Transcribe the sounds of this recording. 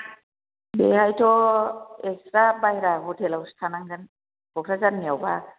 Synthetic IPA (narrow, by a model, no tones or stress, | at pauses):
bɛɦajtʰɔ | ɛkstɾabaɦiɾaɡɔtʰɛlawstʰanaŋzan | b̥ɔkʰɾazanmijawba